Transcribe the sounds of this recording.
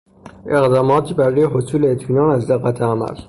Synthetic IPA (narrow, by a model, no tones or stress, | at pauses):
ʔe̞ɣd̪ɒːmɒːt̪ʰiːbæɾuːjeɦosuːleːt̪ʰmiːnɒːnæzd̪eɣæt̪ʰeæmæ̰l